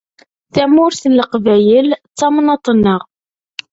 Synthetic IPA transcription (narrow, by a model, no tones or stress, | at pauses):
θæmʊɾθəlːəqvæjəlt͡sːɑmnɑt̪ˤːnːəʁ